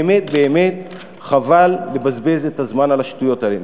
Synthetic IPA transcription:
met̚be̞ːme̞t | χavalːebazbe̞zetazmanalaʃtujo̞taem

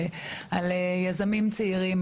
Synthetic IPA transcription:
alejazamimt͡siiʁim

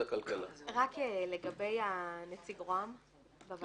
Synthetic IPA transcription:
akalkalaʁakeleɡabe̞janet͡siɡʁoam | bav

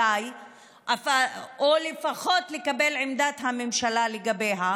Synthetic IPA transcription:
aj | ʔafaolefaχo̞t̪le̞kabe̞lʕemd̪at̪hamemʃalaleɡabe̞ɦa

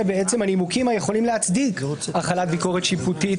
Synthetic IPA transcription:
ebeett͡se̞manimukimajeχo̞limleɦat͡sd̪ikaχalat̪̚biko̞ʁetʃiput̪it

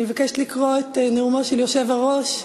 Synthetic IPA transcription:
imevakɛʃt̪likʁoet̪eneumaʃeljoʃevaʁoʃ

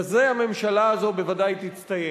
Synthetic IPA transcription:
zeame̞mʃalaːzo̞be̞vadajt̪it͡st̪aje

